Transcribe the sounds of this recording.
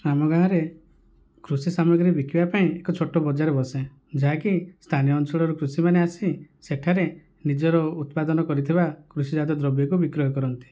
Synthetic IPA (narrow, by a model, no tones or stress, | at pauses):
ɾamɔɡaɦɔɾe | kɾusisamɔɡɾibikʰibapaĩekɔt͡ʃʰoʈobɔd͡ʒaɾebɔsẽ | d͡ʒaɦakist̪ʰanijɔːnt͡ʃɔɭɔɾukɾusimaneasiseʈʰaɾe | nid͡ʒɔɾɔut̪̚pad̪ɔnɔkɔɾit̪ʰibakɾusid͡ʒad̪ɔd̪ɾɔbjɔkubikɾɔɦɔkɔɾɔnt̪i̥